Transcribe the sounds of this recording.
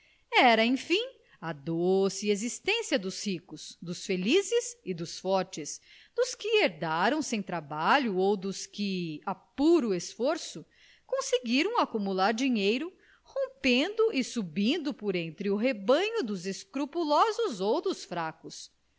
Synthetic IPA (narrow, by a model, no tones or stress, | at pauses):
ɛɾɐẽj̃fĩ | ɐd̪osɪiezist̪ẽsiɐd̪ʊshikʊsd̪ʊsfelizɪzɪd̪ʊsfɔɾt͡ʃɪs | d̪̥ʊskɪeɾd̪aɾɐ̃w̃sẽj̃t̪ɾabaʎʊowd̪ʊskɪapuɾʊesfoɾsʊ | kõsɪɡiɾɐ̃w̃akumulaɾd͡ʒiɲejɾʊ | hõpẽnd̪ʊʔɪsubĩnd̪ʊpoɾẽnt̪ɾɪʊɦebɐ̃ɲʊd̪ʊzeskɾupulɔzʊzowd̪ʊsfɾakʊs